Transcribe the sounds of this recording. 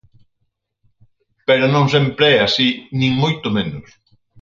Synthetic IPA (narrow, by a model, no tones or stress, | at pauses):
peɾonõŋs̬ɛmpɾeɛasinĩŋmojt̪ʊmenʊs